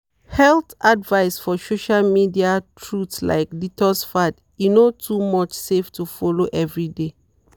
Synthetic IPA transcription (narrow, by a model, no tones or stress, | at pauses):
hɛltadvaɪsfɔsoʃalmidiatʰɹutsla̰ɪk̚ditɔsfad | junotʰumɔt͡ʃseftufɔloʔɛvɹide